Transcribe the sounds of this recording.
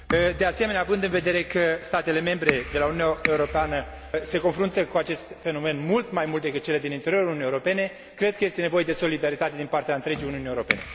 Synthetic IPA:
d̪e̞ase̞me̞neavɨnd̪ɨnve̞d̪e̞ɾe̞kəst̪at̪e̞le̞me̞mbɾe̞d̪e̞laununʲae̞uɾo̞peanə | se̞ko̞nfɾunt̪əkuat͡ʃe̞st̪fe̞no̞me̞nmult̪majmult̪̚d̪ekɨt̪̚t͡ʃele̞d̪inint̪eɾio̞ɾauunijeuɾo̞pe̞ne̞ | kɾe̞d̪kəje̞st̪e̞ne̞vo̞je̞d̪e̞so̞lid̪aɾit̪at̪e̞d̪inpart̪eaɨnt̪ɾe̞d͡ʒijuniuniewuɾo̞pe̞̰ne̞

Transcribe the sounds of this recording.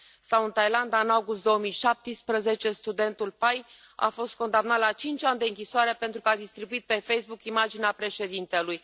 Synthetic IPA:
sawɨnt̪ajland̪aɨnawɡust̪̚d̪o̞wəmijʃap̚t̪ispɾəze̞t͡ʃe̞st̪ud̪e̞nt̪ulpaj | a̰fo̞st̪̚ko̞nd̪amnat̪lat͡ʃint͡ʃanʲd̪eɨŋkʲisoaɾepe̞nt̪ɾukəad̪ist̪ɾibuit̪̚pe̞fe̞jsbukimad͡ʒineapɾe̞ʃe̞d̪int̪e̞luj

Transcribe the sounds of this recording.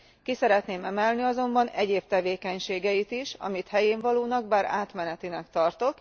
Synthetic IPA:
kisɛɾɛt̪neːmɛmɛlniɒzo̞mbɒnɛɟeːb̚t̪ɛveːkɛɲʃeːɡɛjit̪iʃɒ̰mit̪hɛjeːɱvɒloːnɒɡbaːɾa̰ːt̪mɛnɛt̪inɛkt̪ɒrt̪o̞k

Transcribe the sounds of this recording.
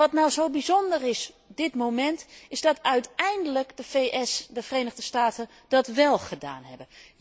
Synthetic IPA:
ɑtnawzowbizondərɪs | dɪtmowmɛntɪzdɑtœɥtɛjndələkdəfejʔɛsdəfərejnəɣdəstaːtən | dɑtʋɛlˠχəda̰ːnɦɛ̰bən

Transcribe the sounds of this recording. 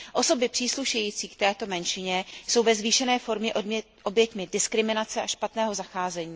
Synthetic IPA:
ʔo̞so̞bɪpr̥iːsluʃɛjiːt͡siːkt̪ɛːt̪o̞mɛnʃɪɲɛso̞wvɛzviːʃɛnɛːfo̞ɾmɲɛʔ | ʔo̞bjɛt̪mɪdɪskɾɪmɪnat͡sɛʔaʃpat̪nɛːɦo̞zaxaːzɛɲiː

